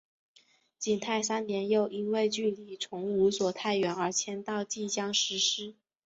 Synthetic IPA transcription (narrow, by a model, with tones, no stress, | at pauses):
t͡ɕi˨˩nt̪ʰa˥˩ɪsa˥nnjɛ˧˥njo˥˩ʊʔi˥nwe˥˧ɪt͡ɕy˥˩li˨˩ʈ͡ʂʰʊ˧˥ŋu˧˥swɔ˨˩t̪ʰa˥˩ɪɥɛ˧˥nə˞˧˥t͡ɕʰjɛ˥nt̪ɑ˥˧ʊt͡ɕi˥˩t͡ɕjɑ˥ŋʂɻ̩˧˥ʂɻ̩˥